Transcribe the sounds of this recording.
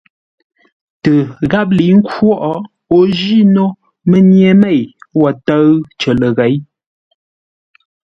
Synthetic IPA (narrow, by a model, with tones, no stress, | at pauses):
tə˨ɣa˦p̬̚li˨˦ŋ̩˦kwɔ˦ʔɔ˦ | o˦ʒi˦no˦ | mə˦nje˨me˦˨jwɔ˨tə˦ɰt͡ʃə˨lə˨ɣɛ˨˦j